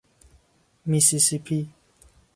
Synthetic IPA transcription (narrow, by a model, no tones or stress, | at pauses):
misisipʰi